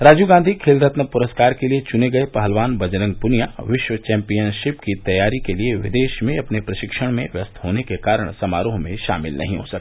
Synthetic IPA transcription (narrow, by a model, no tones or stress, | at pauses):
ɾaːd͡ʒuɡãːnd̪ʱikʰeːld̪ɾət̪nəpʊɾəskaːɾkeliet͡ʃʊneɡɐepɐɦəlʋaːnbɐd͡ʒɾə̃ŋɡ̚pʊnijaʋɪʃwət͡ʃɛ̃ːmpijənʃɪpkit̪ɐjaːɾikelieʋɪd̪eːʃmẽɐpnepɾɐʃɪkʃəɽ̃mẽʋjɐst̪ʰɦoːnekekaːɾəɽ̃sɐmaːɾoːɦmẽʃa̰ːmɪ̰lnʔɐ̰ɦĩɦosɐk̪ː